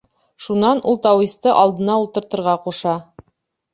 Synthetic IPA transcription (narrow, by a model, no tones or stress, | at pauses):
ʃunɑnulˠt̪ɑwist̪ɤʔɑlˠd̪ɤ̆nɑulˠt̪ɤ̆ɾt̪ɤ̆ɾʁɑquʃɑ